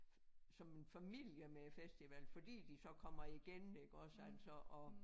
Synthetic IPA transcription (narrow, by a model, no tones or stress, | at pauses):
sɒ̽me̝nfæmil̰jəmefesd̥iʋɛlfɒ̽d̥ḭːd̥isɒ̽kʰɒ̽m̰ɐiɡ̥ene̝ɡ̥ɒ̽sæl̰sɒʔɒ